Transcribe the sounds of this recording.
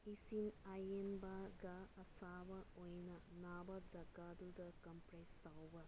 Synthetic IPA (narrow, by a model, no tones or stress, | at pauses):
isinajenbaɡɐɐsabɐojnɐnabɐd͡ʒɐɡadudɐkɐmpɾestawbɐ